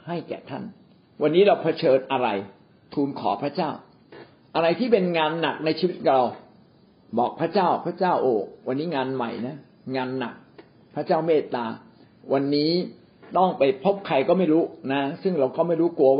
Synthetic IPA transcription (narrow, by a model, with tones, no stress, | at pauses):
ha˥˩jkɛ̰ː˨˩t̪ʰa̰˥˩n | wa˧nːiː˦˥ɾa˧wpʰa˧t͡ɕʰɤː˧nʔa˧ɾa˧j | t̪ʰuː˧nkʰɔ̰ː˩˦pʰɾa˦˥t͡ɕaː˥˩w | ʔa˧ɾa˧jt̪ʰiː˥˩pe˧nŋaː˧nːa˨˩k̚na˧jt͡ɕʰiː˧wi˦˥t̪̚ka˨˩ɾa˧w | bɔː˨˩k̚pʰɾa˦˥t͡ɕaː˥˩wpʰɾa˦˥t͡ɕaː˥˩wʔoː˨˧wʔa˧nːiː˦˥ŋaː˧nma̰˨˩jna˦˥ | ŋaː˧nːa̰˨˩k̚ | pʰɾa˦˥t͡ɕaː˥˩wmeː˥˩t̪̚ːaː˧ | wa˧nːiː˦˥ | t̪ɔ˥˩ŋpa˧jpʰo˦˥p̚kʰa˧jkɔː˥˩ma˥˩jɾuː˦˥na˦˥sɯ˥˩ŋɾa˧wkɔː˥˩ma˥˩jɾuː˦˥ku˧ɐw